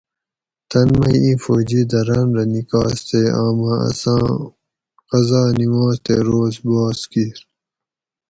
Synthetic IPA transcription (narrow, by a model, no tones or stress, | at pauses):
t̪ɐnmɐjĩːfoːd͡ʑiːd̪ɐɾɐnɾɐnikɑːst̪eaːmãɐ̰sɑ̃ː | qɐzɑːnimãːst̪eːɾoːzbaːskiɾ